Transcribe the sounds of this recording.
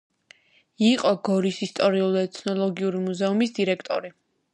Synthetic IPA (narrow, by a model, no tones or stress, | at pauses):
iqʼɔɡɔɾisist̪ʼɔɾiulˠɛt̪sʰnɔlˠɔɡiuɾimuzɛumisd̪iɾɛkʰt̪ʼɔɾi